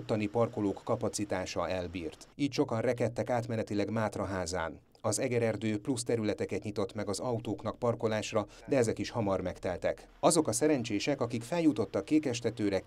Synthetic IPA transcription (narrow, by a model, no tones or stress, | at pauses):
t̪ːɒnipɒrko̞loːkːɒpɒt̪sit̪aːʃɒɛlbḭːrt̪iːcʃo̞kɒnrɛkɛt̪ːɛkaːt̪mɛnɛt̪ilɛɡmaːt̪rɒɦaːza̰ːn | ɒzɛɡɛɾɛrd̪øːplust̪ɛɾylɛt̪ɛkɛt̪ɲit̪o̞t̪mɛɡɒzɒut̪oːknɒk̚pɒrko̞laːʃrɒ | d̪ɛɛzɛkiʃhɒmɒrmɛkt̪ɛlt̪ɛk | ɒzo̞kɒsɛɾɛnt͡ʃeːʃɛkɒkikfɛljut̪o̞t̪ːɒkːeːkɛʃt̪ɛt̪øːɾɛ